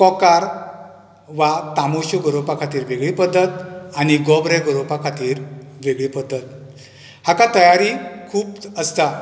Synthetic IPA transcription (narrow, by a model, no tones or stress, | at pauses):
kɔkaɾ | ʋat̪amoɕuɡəɾopakʰat̪iːɾʋeɡɭiːpəd̪ʱːət̪̚añiɡɔbɾɛɡəɾopakʰat̪iːɾʋeɡɭipəd̪ʱːət̪ | hakat̪əjaɾiːkʰuːpəst̪a